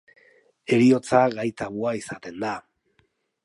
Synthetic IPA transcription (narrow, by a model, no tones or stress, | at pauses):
e̞ɾio̞t͡saɣajt̪aβuaisat̪e̞nd̪a